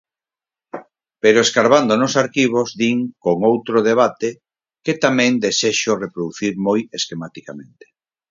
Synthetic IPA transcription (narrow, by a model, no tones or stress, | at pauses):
peɾoeskaɾβand̪onosaɾkiβ̞ozðiŋkoŋowt̪ɾoð̞eβ̞at̪e | ket̪amɛ̃ŋd̪eseʃorepɾoðuθiɾmojeskemat̪ikamẽnt̪e̥